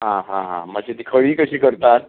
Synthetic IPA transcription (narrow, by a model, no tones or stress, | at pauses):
ɦãɦãɦã̰məd͡ʑʱet̪ikʰəɭiːkəɕiːkəɾt̪at̪̚